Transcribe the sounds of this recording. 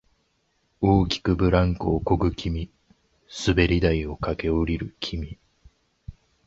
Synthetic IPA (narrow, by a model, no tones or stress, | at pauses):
oːkʲi̥kɯ̟bɯ̟ɾãŋkoːkoɡɯ̟kʲʰimʲi | sɨbe̞ɾʲid̪aio̞kake̞oɾʲiɾɯ̟kʲʰimʲi